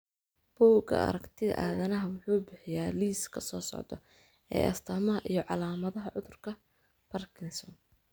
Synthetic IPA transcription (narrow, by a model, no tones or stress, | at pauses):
b̥ɔːɡɐ̰ʔɐ̰ɾɐkt̪ʰɪðɐ̰ʔaːðɐnɐɦɐwʊħuːbɪħɪjaːliːskʰɐsɔːsɔ̰ʕd̪ɔ̰ | ɛ̰ːʔɐ̰st̪ʰɐmɐɦɐʔijɞʕɑlaːmɐðɐɦɐʕʊðʊrkʰɐ | b̥ɐrkʰɪnsɔn